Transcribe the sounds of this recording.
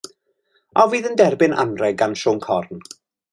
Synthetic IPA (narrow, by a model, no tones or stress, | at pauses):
ɔviːðəndɛrbɪna̰nrɛɡanʃɔːŋkʰɔrn